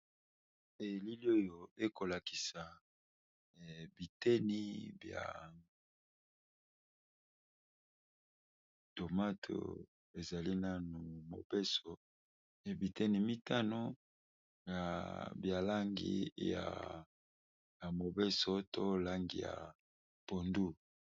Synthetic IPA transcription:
e˨li˦li˦o˦jo˨e˦ko˨la˨ki̥˨sa˨ | bi˨tɛ˦ni˦bja̰˨ | to˨ma˦tʰo̰˨ | e˨za˨li˦na˦nu˨mo̰˨bɛ˦sɔ˨ | bi˨tɛ˦ni˨mi˦ta˦no˦ | ja˨bja˨la˦ŋɡḭ˦ja̰˨ | ja˨mo˨bɛ˦so˦to˦la˦ŋɡḭ˨ja̰˨ | po˨ndu˦

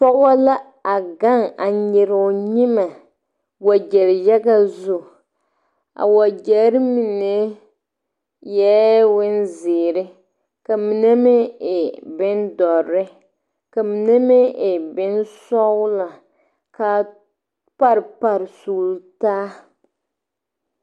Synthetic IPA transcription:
pɔ˦ɡɔ˦la˦ | a˨ɡa˦ŋa˨ɲɪ˨ɾʊ˨ɲi˦ma˨ | wa˨d͡ʒɛ˨ɾjɛ˦ɡa˦zʊ˦˨ | a̰˨wa˨d͡ʒɛ˨˦ɾɪ˦mi˨ne˦ | jɛ˦wɪ˦nzɪː˨ɾɪ˦ | ka˨mi˨nɛ˦mɪ˦ɪ˨bɪ˦ndɔ˨ɾɪ˦ | ka˨mi˨ne˦mɪ˦ʔɪ˨bɪ˦nsɔ˦wla˨ | ka˨ | pa˦ɾpa˨ɾsu˨ltaː˦

